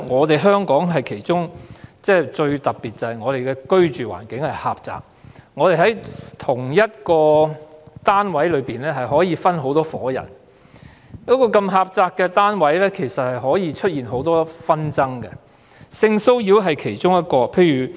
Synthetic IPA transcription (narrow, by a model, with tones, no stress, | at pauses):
ŋɔː˨˧t̪e˨jɦœː˥ŋkɔː˨˥ŋɦɐ˨jkʰe˨˩jt͡ʃʊ˥ŋt͡sɛː˥t͡ʃɵ˧ɥt̪ɐ˨t̚piː˨t̚t͡sɐ˨hɐ˨jŋɔː˨˧t̪e˨jkɛː˧kɵ˥ɥt͡ʃyː˨wa̰ː˨˩nkɪ˨˥ŋhɐ˨jha̰ː˨p̚t͡sa̰ː˨k̚ŋɔː˨˧t̪e˨˩jɦɐ˨˥jt̪ʰʊ˨˩ŋjɐ˥t̚kɔː˧ | t̪aː˥nwɐ˨˥jlɵ˨˧ɥpiː˨nlɛː˥ɦɐ˨jɦɔː˨˥jiː˨˧fɐ˥nɦo˨˥wt̪ɔː˥fɔ̰ː˨˥jɐ̰˨˩n | kɔː˨˥kɔː˧kɐ˧mɦaː˧p̚t͡saː˧k̚ːɛ˧t̪aː˥nwɐ˨˥jlɛː˥kʰe˨˩jsɐ˨t̚hɐ˨jɦɔː˨˥jiː˨˧t͡ʃʰɵ˥t̚jiː˨nɦo˨˥wt̪ɔː˥fɐ˥nt͡sɐ˥ŋkɛ̰˧ | sɪ˧ŋso˥wjiː˧wɦɐ˨jkʰe˨˩jt͡ʃʊ˥ŋjɐ˥t̚kɔː˧pʰe˧jɥyː˨˩